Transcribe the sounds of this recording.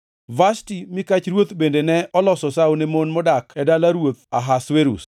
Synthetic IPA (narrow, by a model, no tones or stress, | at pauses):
vastimɪkat͡ʃɾwot̪bendenɛʔɔlɔsɔsawnemonmɔdakɛdalaɾwot̪aɦasweɾṵs